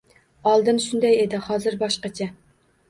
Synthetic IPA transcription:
ɑlˠd̪ɨnʃund̪ɛjed̪ɪhɑːzɨɾbɑʃqɑt͡ʃʰɛ

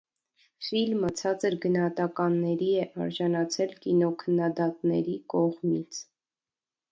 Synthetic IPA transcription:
filmət͡sʰɑt͡səɾɡənɑhɑt̪ɑkɑnːɛɾiɛʔɑɾʒɑnɑt͡sʰɛlkinɔkʰənːɑd̪ɑt̪nɛɾikɔʁmit͡sʰ

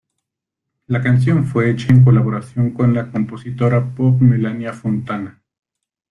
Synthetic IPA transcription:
lakans̬jo̞ɱfweet͡ʃaeŋk̬olaβoɾasjo̞ŋko̞nlakompo̞sit̪oɾapop̚melanjafont̪ana

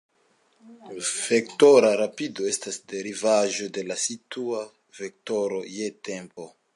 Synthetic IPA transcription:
vektoɾaɾapidoe̞stasde̞ɾivaʒo̞de̞lasitua | vek̚toɾo̞jetempo̞

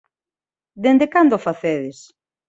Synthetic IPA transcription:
d̪end̪ekand̪ofaθeðes

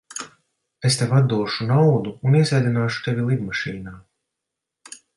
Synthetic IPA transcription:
est̪evad̪̚uɔʃunawd̪uːniɛzɛjd̪ʲinaːʃu̥t̪evʲilˠid̪maʃiːnaː

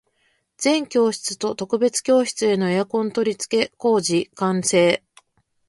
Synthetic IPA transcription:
d͡zẽ̞ŋkʲo̞ːɕi̥t͡sɨ̥t̪o̞t̪o̞kɯ̟be̞t͡sɨ̥kʲo̞ːɕi̥t͡sɨe̞no̞ejakõ̞nt̪o̞ɾʲit͡sɨ̥ke̞ko̞ːʑikãɰ̃se̞ː

